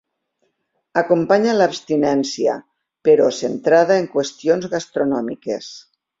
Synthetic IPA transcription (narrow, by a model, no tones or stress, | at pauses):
akumpaɲalːβpst̪inɛnsia̰ | peɾɔsent̪ɾaðaeŋkwest̪ionzɣast̪ɾonɔmikḛs